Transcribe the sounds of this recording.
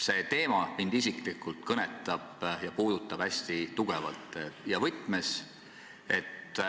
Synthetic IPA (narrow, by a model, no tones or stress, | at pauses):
se̞ːt̪e̞ːmɑmind̪isiklikːˑult̪̚kɤnet̪ːˑɑb̥jɑpuːd̪ut̪ːˑɑb̥æsʲt̪it̪uɡ̥evɑ̰lt̪ˑjɑvɤt̪ːˑmes | e̞t̪ːˑ